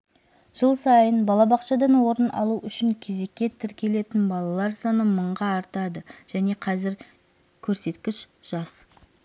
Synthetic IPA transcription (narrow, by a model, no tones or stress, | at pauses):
ʒ̥əlˠsɑjənbɑlˠɑbɑqʃɑd̪ɑnwo̞ɾənʔɑ̰lˠuʔʏʃɪŋkʲʰe̞ze̞kʲːe̞t̪ʰɪɾkʲe̞le̞t̪ɪnbɑlˠɑlˠɑɾsɑnəməɴʁɑːɾt̪ɑd̪əʒ̥æne̞qʰɑzɪɾ | kʲʰɵɾse̞t̪kʲɪʃ | ʒ̥ɑs